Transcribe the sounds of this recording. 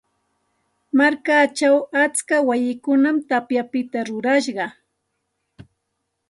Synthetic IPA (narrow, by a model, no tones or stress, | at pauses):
maɾkat͡ʃawat͡skawajɪkʊnamt̪apjapɪt̪aɾʊɾaʃɢɑ